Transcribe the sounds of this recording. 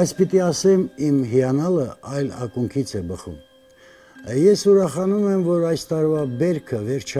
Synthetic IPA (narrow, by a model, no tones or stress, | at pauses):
bɑjt͡sʰpit̪iɑsɛmimɦiɑnɑləʔɑjlɑ̰kuŋkʰit͡sʰɛbəχṵm | jɛsuɾɑχɑnumɛmvɔɾɑjst̪ɑɾvɑbɛɾkʰəvɛɾt͡ʃʰ